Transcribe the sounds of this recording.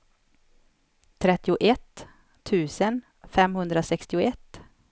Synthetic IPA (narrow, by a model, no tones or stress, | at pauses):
t̪ʰɾɛt̪ːɪʊʔɛt̪ʰː | ʉ̟ːsən | fɛmhɵnd̪ɾasɛkst̪ɪʊɛt̪ː